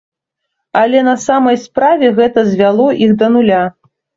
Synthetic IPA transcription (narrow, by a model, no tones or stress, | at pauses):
ɐlʲɛnɐsamɐjspɾavʲɛɣɛt̪ɐzʲvʲalˠɔʔiɣd̪ɐnulʲa